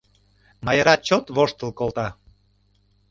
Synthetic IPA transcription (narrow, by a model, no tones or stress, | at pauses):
mɑjəɾɑt͡ɕot̪βoʃt̪ə̆lkolt̪ɑ